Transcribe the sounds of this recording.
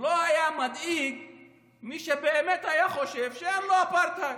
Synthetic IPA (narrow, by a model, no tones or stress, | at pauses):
loajamad̪iɡ | miʃebeːmet̪ajaχoʃevʃeamloapʰaɾt̪ʰak